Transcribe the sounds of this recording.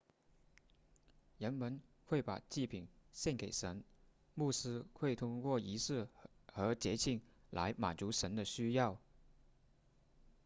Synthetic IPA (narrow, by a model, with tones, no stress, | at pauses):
ɻə˧˥nmə˧˥n | xwe˥˩ɪpa̰˨˩t͡ɕi˥˩pʰi˨˩nɕjɛ˥˩nke˨˩ɪʂə˧˥n | mu˥˩sɹ̩˥xwe˥˩ɪt̪ʰʊ˥ŋkwɔ˥˩i˧˥ʂɹ̩˥˩xɤ˧˥t͡ɕjɛ˧˥t͡ɕʰi˥˩ŋla̰˧˥ɪma̰˨˩nt͡su˧˥ʂə˧˥nd̪ə˧ɕy˥jɑ˥˩ʊ